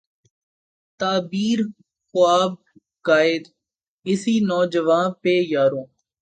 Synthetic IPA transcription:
t̪aːbiːɾ | xʊaːb̚ | kaːɪd̪ | ɪsiːnɔːd͡ʒəʋãːnpeːjaːɾõː

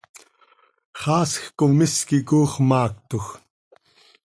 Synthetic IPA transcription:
χɑːsxkʊmɪskɪkuːχmɑːk̚t̪ʊx

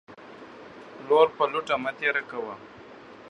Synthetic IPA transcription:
loɾpaluʈamat̪eɾakawa

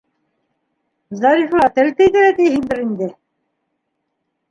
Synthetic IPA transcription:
zɑɾiflˠɑt̪ælt̪æjt̪ɘ̆ɾæt̪ijɦind̪ɘɾind̪ɘ

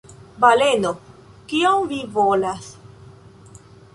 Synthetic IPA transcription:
bale̞no | kiomvivolas

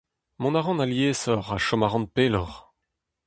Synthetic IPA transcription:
mɔ̃naʁɑ̃naljeːsɔʁaʃɔmaʁɑ̃n̚peːlɔʁ

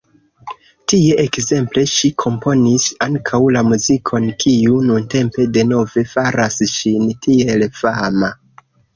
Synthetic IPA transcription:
tie̞ʔekze̞mple̞ʃikʰo̞mpo̞nisaŋkʰawlamuzikʰo̞nkʰiununte̞mpe̞de̞no̞ve̞faɾasʃintʰie̞lfama

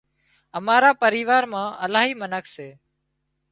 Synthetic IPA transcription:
əmaːɾaːpəɾiːʋaːɾmãːʔəlaːɦiːmənəkʰseː

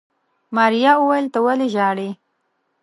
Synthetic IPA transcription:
mɑɾijɑuwajəlt̪əwaleʒɑɽe

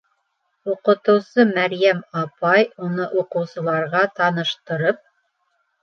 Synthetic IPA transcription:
uqɤ̆t̪ɤ̆wsɤmæɾjæmɑpɑjunɤʔuqɤ̆wsɤ̆lˠɑɾʁɑt̪ɑnɤ̆ʃt̪ɤ̆ɾɤp̚

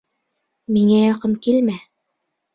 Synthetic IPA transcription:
miŋæjɒqɤnkilmæ

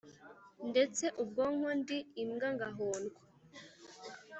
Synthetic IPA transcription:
nde̞t͡se̞ʔub̚ɡoːŋondiimɡaŋɡaɦoːnɡwa

